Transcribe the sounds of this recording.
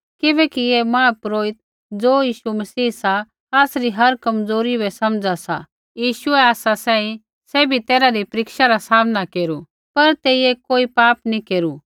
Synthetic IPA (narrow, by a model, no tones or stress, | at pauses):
kɪbɛkiemãːpɾoːɪt̪̚ | d͡zoːjiːʃumɐsiːɦsa | aːsɾiɦɐɾkɐmd͡zoːɾibɛsɐmd͡zasa̰ | jiːʃʊɛaːsasɛ̃ːĩ | sɛːbʱit̪eːɾaɾipɾɪkʃaɾasaːmnakeːɾu | pɐɾt̪eːiekoːipaːpnikeːɾu